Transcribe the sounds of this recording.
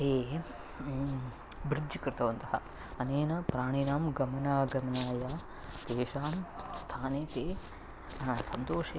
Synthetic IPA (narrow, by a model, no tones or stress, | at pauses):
eː | bɾɪd̪d͡ʒjikɾɪt̪ɐʋɐnt̪ɐɦɐ̰ | ɐneːnɐpɾaːɳ̃inaːmɡɐmɐnaːɡɐmɐnaːjaː | d̪eːʃaːmst̪ʰaːneːt̪eː | sɐnt̪oːʃeː